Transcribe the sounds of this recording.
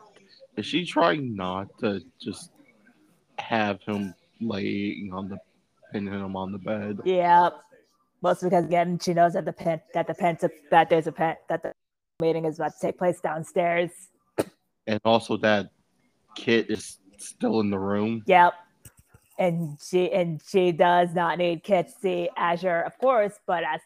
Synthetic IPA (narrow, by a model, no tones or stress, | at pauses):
ɨz̥ʃitʰɹ̥aɪɪ̃ŋnətʰɨ̥d͡ʒʌst̚ | hɨv̥ɪ̃m | leɪɪ̰̃ŋə̃nðə | pʰɪ̃nɪ̃mə̃nðəbɛd̥̚jæ | moʊstbikʌzəɡɛ̃nʃinoʊzðɨt̪̚ðɨpʰɛ̃nðɨt̪̚ðɨpʰɛ̃ntsɨp̚ðɨt̪̚ðə˞zɨpʰɛ̃ðɨt̪̚ðɨ | miɾɪ̃ŋɨzbʌttʰeɪk̚pʰl̥eɪsd̥ãʊ̃nstɛɹz̥ | ɨ̃nɔlˠsoʊðɨt̚ | kʰɪɾɪz̥ | stɪlˠə̃nðəɹʉ̃mjɛp̚ | ɨ̃nʃiʔɨ̃nʃidʌznətⁿnid̚kʰɪd̚tʰɨ̥siæʒə˞ʌv̥kʰɔɹsb̥ʌɾɨz